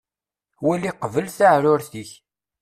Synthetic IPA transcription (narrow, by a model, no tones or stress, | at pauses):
wæliqəvəlθaʕɾʊɾθiç